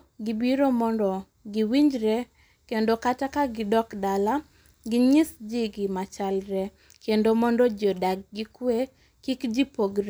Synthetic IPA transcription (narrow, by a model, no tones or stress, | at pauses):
ɡibiɾomɔndɔ | ɡiwiɲd͡ʒɾɛ | kendokatakaɡɪdɔkdala | ɡɪɲɪsd͡ʒiɡɪmat͡ʃalɾɛ | kʰendomɔndɔd͡ʒɔdaɡ̚ɡikwe | kikd͡ʒipoɡɾ